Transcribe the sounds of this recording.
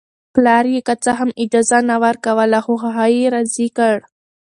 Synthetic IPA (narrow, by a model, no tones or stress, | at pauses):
plɑɾjekat͡saɦamɪd͡ʒɑzanawəɾkawəlaxoxaɦajiɾazikəɽ